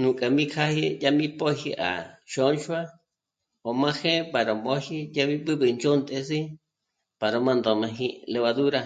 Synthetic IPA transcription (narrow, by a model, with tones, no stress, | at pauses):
nũ˨kʼa˨mĩ˦kʰa˦hi˦ja˦mĩ˦po˦hi˧ʔa̰˨ʃo˧˦nt͡ʃwa˦ | o˨mã˦xẽ˦pa˨ɾo˨mo˧˦hi˦ja˦βi˦bɨ˦bɨ˧˨nd͡ʒo˦nt̪ʼe˧si˦ | pa˨ɾo˧mã˧nd̪o˨mã˧ɦi˧le˧βa˧ðu˦ɾa˧˨